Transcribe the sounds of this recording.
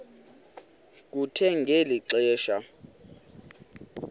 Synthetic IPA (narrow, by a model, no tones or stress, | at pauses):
k̬ʼutʰɛŋɡʱeliǀɛːʃa